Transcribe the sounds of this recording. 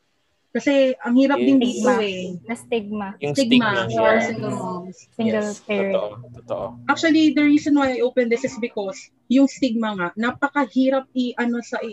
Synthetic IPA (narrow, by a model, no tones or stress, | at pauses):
kɐsɛʔɐŋhiːɾɐp̚d̪ɪndiːt̪oɛnɐst̪ɪɡ̚mast̪ɪɡmaɐŋsɪŋɡɐl | sɪɡɐlspːɹ | ʔak̚t͡ʃwɐlid̪ɐɹiːsõnwajɐjʔowpɛ̃nd̪ɪsɪsbɪkos | jʊŋst̪ɪɡ̚mɐŋaʔnɐpɐkɐhiːɾɐp̚ɪʔɐno̞sɐʔɪ